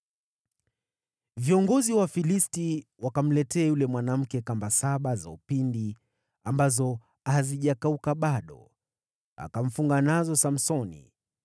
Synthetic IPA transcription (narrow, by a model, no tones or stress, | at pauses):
viɔŋɡɔziwafilistiwakam̩lɛtɛajulɛmwanam̩kɛkambasaɓazaupindi | ambazɔ | ahaziʄakaukaɓaɗɔ̰ | a̰kam̩fuŋɡanazɔsam̩sɔnḭ